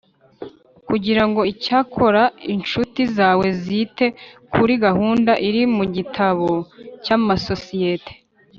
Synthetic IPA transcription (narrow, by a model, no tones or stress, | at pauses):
kuɟiɾaŋɡo̞icaːkʰo̞ɾainʃutizaːwe̞zite̞kʰuɾiɡaɦuːndaʔiɾimuɟitʰaβo̞caːmaso̞sije̞tʰe̥